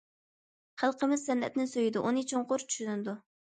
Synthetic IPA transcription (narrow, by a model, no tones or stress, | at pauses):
χælˠqʰəmɪz̥sɛnːɛ̰t̪̚nɪnsøjid̪uʔunɨt͡ʃʰoɴqʊɾt͡ʃʰy̥ʃynɪd̪u